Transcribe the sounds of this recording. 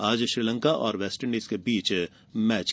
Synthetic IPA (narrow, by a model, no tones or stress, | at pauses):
aːd͡ʒʃɾiːlə̃ŋkaʔɔ̰ːɾʋɛːsʈəɾɳɖeːskebiːt͡ʃ | mɛːt͡ʃ